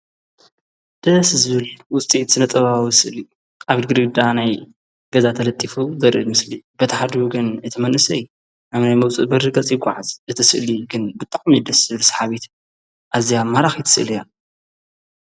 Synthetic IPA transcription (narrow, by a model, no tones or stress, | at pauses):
d̪̥ɐszɨβɨlwʊst̪ʼit̪sɨnɐt̪ʼɐβawiɨsɨʔli | aβid̪ɡɨɾɡɨd̪anaj | ɡ̥ɐzat̪ʰɐlɐt̪ʼːifuzɐɾʔɨlmɨslibɐt̪ʰɐħad̪iuɡɨnɨt̪ʰɨmɐnʔɨsɐj | naβnajmɐwt͡sʼɨbɐɾɨɡɐt͡sʼjɪɡʷʼːa̰ʕazʔɨt̪ʰɨsɨʔliɡɨnbɨt̪ʼːaʕmid̪ɐsz̥ɨβɨlsɐ̥ħaβit̪ | ʔazijamaɾaxit̪ʰɨ̥sɨʔɨlija